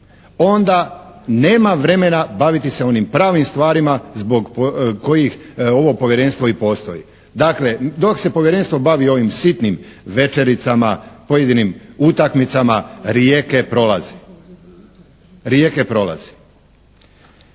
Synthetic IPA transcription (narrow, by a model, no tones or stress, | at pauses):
o̞nd̪ane̞ːmaʋɾe̞me̞nabaʋit̪ise̞o̞nimpɾaːʋimst̪ʋaːɾimazbo̞ɡpoko̞jix | o̞ʋo̞po̞ʋjeɾe̞nst̪ʋo̞ipo̞ːst̪o̞ji | d̪akle̞d̪o̞kse̞poʋjeɾe̞nst̪ʋo̞baʋio̞ʋimsit̪nimʋe̞t͡ʃe̞ɾit̪samapojed̪inimut̪akmit̪samaɾjeke̞pɾo̞lazi̥ | ɾje̞ke̞pɾo̞la̰z̥i̥